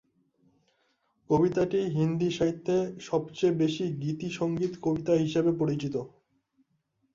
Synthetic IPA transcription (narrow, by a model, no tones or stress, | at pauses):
kobit̪aʈiɦind̪iʃaɦit̪ʰːeʃɔbt͡ɕebeʃiɡit̪iʃoŋɡit̪kobit̪aɦiʃebepoɾit͡ɕit̪o